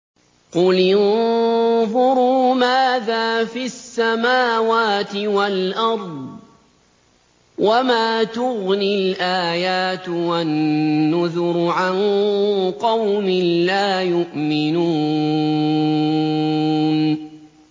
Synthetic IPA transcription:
qʊlɪn | ðʊɾuːmaːðaːfisːamaːwaːt̪ɪwalʔɑɾˤd̪ˤ | wʔamaːt̪ʊɣnɪlʔaːjaːt̪wanːʊðʊɾʕan | qɑwmɪlaːjʊʔmɪnuː | n

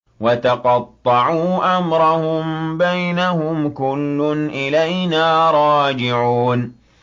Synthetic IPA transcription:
wɑt̪ɑqɑt̪ˤːɑʕuːʔamɾˤɑhʊmbajnahʊmkʊlːʊnʔɪlajnaːɾˤɑːd͡ʒɪʕuːn

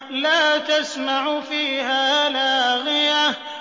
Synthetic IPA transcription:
laːt̪asmaʕfiːhaːlaːɣɪja

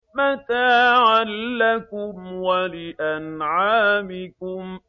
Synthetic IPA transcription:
mat̪aːʕalːakʊmwalɪʔanʕaːmɪkʊm

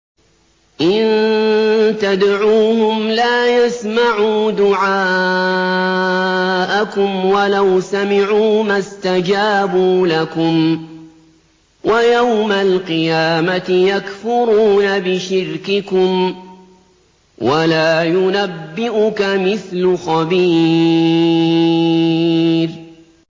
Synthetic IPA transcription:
ʔɪn | t̪ad̪ʕuːhʊmlaːjasmaʕuːd̪ʊʕaː | ʔakʊmwalawsamɪʕuːmast̪ad͡ʒaːbuːlakʊm | wʔajawmalqɨjaːmat̪ɪjakfʊɾuːnabɪʃɪɾkɪkʊm | walaːjʊnabːɪʔʊkamɪθlʊxɑbiː | ɾ

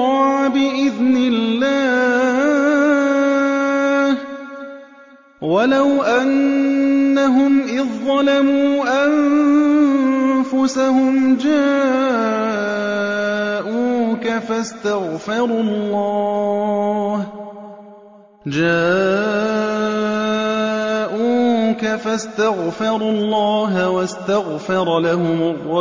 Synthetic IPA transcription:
ɑːʕbɪʔɪðnɪlːaː | h | walawʔanː | aɦʊmʔɪðˤːɑlamuːʔam | fʊsahʊmd͡ʒaː | ʔuːkafast̪aɣfɑɾˤulːɑː | h | d͡ʒaː | ʔuːkafast̪aɣfɑɾˤulˤːɑːɦawast̪aɣfɑɾˤɑlahʊmʊrˤːɑ

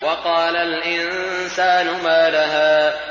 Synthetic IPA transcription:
wɑqɑːlalʔɪnsaːnʊmaːlaɦaː

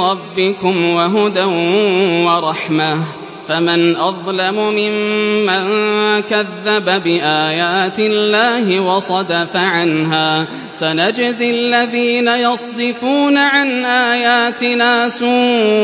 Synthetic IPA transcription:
ɾˤɑbːɪkʊmwaɦʊd̪awwɑɾˤɑħma | famɪnʔɑðˤlamʊmɪmːaŋkaðːababɪʔaːjaːt̪ɪlːaːhɪwɑsˤɑd̪afaʕanɦaː | sanad͡ʒzɪlːaðiːnajɑsˤd̪ɪfuːnaʕanʔaːjaːt̪ɪnaːsuː

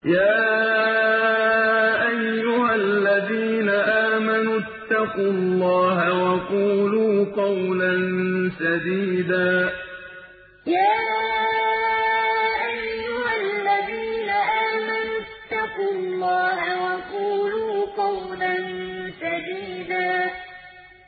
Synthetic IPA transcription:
jaː | ʔajːʊhalːaðiːnaʔaːmanut̪ːɑqʊllːɑːɦawɑquːluːqɑwlansad̪iːd̪aː | jaː | ʔajːʊhallːaðiːnaʔaːmanʊt̪ːɑqulˤːɑːhawɑquːluːqɑwlansad̪iːd̪aː

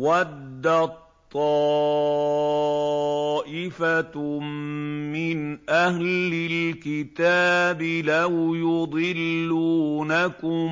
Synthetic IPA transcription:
wad̪ːat̪ˤːɑː | ʔɪfa | mɪnʔahlɪlkɪt̪aːbɪlawjʊd̪ˤɨlːuːnakʊm

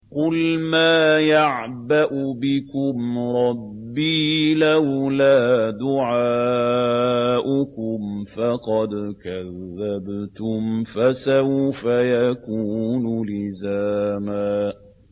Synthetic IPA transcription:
qʊlmaːjaʕ | baʔʊbɪkʊmɾˤɑbːiːlawlaːd̪ʊʕaː | ʔʊkʊmfɑqɑd̪kaðːabt̪ʊmfasawfajakuːnʊlɪzaːmaː

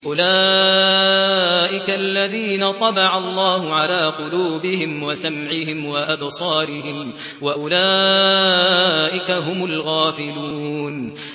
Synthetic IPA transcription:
ʔʊlaː | ʔɪkalːaðiːnat̪ˤɑbɑʕɑlˤːɑːɦʊʕalaːqʊluːbɪhɪmwasamʕɪhɪmwaʔɑbsˤɑːɾɪhɪm | waʔʊlaː | ʔɪkaɦʊmʊlɣaːfɪluːn

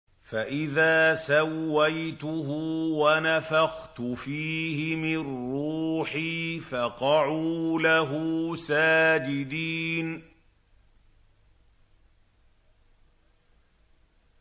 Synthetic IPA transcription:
faʔɪðaːsawːajt̪ʊɦʊwanafaxt̪ʊfiːhɪmɪnːuːħiːfɑqɑʕulaɦusaːd͡ʒɪd̪iːn

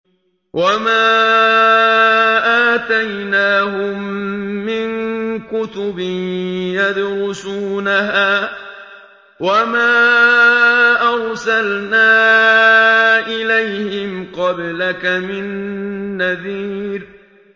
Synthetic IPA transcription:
wʔamaː | ʔaːt̪ajnaːɦʊmːɪŋkʊt̪ʊbɪnjad̪ɾʊsuːnaɦaː | wamaː | ʔaɾsalnaː | ʔɪlajhɪmqɑblakamɪnː | aðiːɾ

